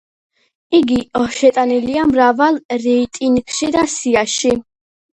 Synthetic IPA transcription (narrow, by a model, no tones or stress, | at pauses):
iɡiɔʃɛt̪ʼaniliamɾavalˠɾɛit̪ʼinikʰʃid̪asiaʃi